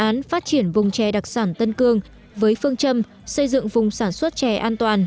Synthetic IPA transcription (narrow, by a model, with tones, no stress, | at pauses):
ʔaː˨˦nfaː˦˥t̚t͡ɕi˧˩ənvʊ˨˩ŋ͡mt͡ɕɛ˨˩ɗa˨˩k̚saː˧˩nt̪ə˧nkɨ˧əŋ | vəː˨˦jfɨ˧əŋt͡ɕə˧m | sə˧jzɨ̰˧˨ŋvʊ˨˩ŋ͡msaː˧˩nswə˦˥t̚t͡ɕɛ˨˩ʔaː˧nt̪waː˨˩n